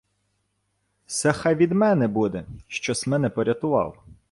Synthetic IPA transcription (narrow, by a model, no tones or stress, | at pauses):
sɛxɑjʋʲid̪mɛnɛbud̪ɛʃt͡ʃɔsmɛnɛpɔɾʲɐt̪ʊʋɑ̰lˠ